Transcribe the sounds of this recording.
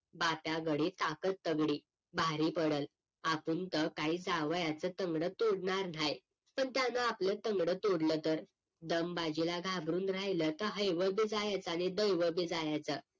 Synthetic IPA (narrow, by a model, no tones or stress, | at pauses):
bapjaɡəɽit̪akət̪ːəɡɽiː | bʱaɾiːpəɽəl | apuːnt̪əkaɦiːd͡zaʋəjat͡sət̪əŋɡɽət̪oɽɳaɾn̤aj | pəɳt̪janaːplət̪əŋɡɽət̪oɽlət̪əɾ | d̪əmbad͡ʑilaɡʱabɾuːnɾaɦjlət̪əɦəjʋəbid͡zajat͡sañid̪əjʋəbid͡zajat͡sə